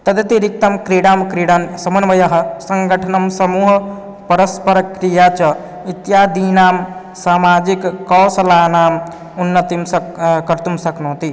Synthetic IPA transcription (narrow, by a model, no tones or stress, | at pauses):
t̪ɐd̪et̪iɾik̚t̪ɐmkɾeːɽaːmkɾiɽansɐmɐnʋɐjɐɦɐ̆sɐŋɡəʈʰɐnɐmsɐmuːɦ | pɐɾəspɐɾɐkɾijat͡ʃɐ | it̪jaːd̪inaːm | saːmaːd͡ʒikːɔːsɐlaːnaːm | unːɐt̪imsɐkɐɾt̪umsɐknoːt̪i